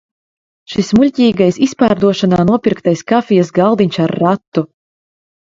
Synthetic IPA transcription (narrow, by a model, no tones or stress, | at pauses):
ʃismulʲcʲiːɡajsispaːɾd̪uɔʃanaːnuɔpʲiɾkt̪ajskafʲijas̬ɡalˠd̪iɲʲsaɾːat̪ːu